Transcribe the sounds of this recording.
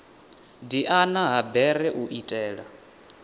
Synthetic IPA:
diʔanaɦabɛɾɛʔuʔitʼɛːɺa

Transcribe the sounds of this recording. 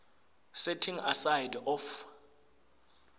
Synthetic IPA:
sɛtʰiŋasajdɔf

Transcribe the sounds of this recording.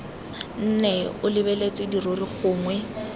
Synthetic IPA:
n̩nɛʊlɪbɛlet͡sʼwɪdiroriχʊːŋwɛ

